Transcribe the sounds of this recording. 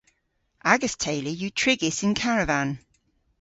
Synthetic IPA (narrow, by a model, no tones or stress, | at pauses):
ʔaɡəstʰeɪlijətʰɹ̥ɪɡɪsɪ̃nkʰaɹəvãn